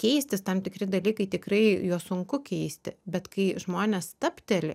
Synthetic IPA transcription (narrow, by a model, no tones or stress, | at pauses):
kʲɛɪsʲt̪ʲɪst̪ɐmt̪ʲɪkɾʲɪd̪ɐlʲiːkɐɪt̪ʲɪkrɐɪjuɔsʊŋkʊkʲɛɪsʲt̪ʲɪbʲɛt̪kɐɪʒmoːnʲɛːst̪ɐpʲt̪ʲɛlʲɪ